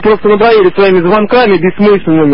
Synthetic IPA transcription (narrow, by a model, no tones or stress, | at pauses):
pɾo̞st̪ənəp̪ɾɐʋʲilʲɪsvɐimʲɪzvɐnkamʲɪbʲɪsmɨsʲlʲɪnːɨmʲɪ